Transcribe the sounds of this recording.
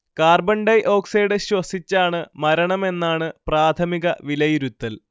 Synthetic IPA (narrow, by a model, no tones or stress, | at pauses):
kaːrbɐɳɖɐjʔo̞ːksejɽɨɕwɐsit͡ɕːaːɳɨmɐɾɐɳɐme̞nːaːɳɨpraːt̪ʰɐmiɣɐʋilɐjiɾut̪ːɐl